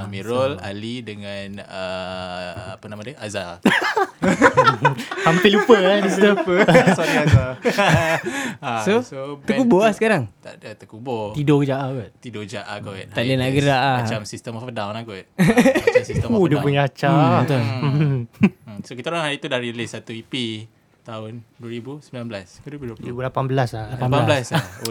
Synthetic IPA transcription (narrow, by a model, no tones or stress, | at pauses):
miɾɔla̰lidəŋanə | apənamadəʔaza | hampelupəaisupəsonaa | asosot̪əkubolahsə̥kaɾaŋt̪aʔdət̪əkubot̪idokəd͡ʒaʔaɡot̪̚t̪idod͡ʒaʔaɡo̰ʔ̪aʔdənaʔɡəɾaʔaat͡ʃamsist̪əmɔfdawnaɡɔt̪̚ | sist̪odəpuɲaat͡ʃat̪ʊl | sokit̪aoɾaŋɦaɾit̪udaɾilisat̪uipi | t̪aʊnduəɾibusəmbilanbəlaskɾibɾibulapambəlasalaapabaalas